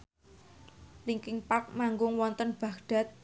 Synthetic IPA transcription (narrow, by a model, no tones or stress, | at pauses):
liŋkɪŋpak̚maŋɡʊŋwɔnt̪ənb̥ä̤ɡɖ̥a̤t̪̚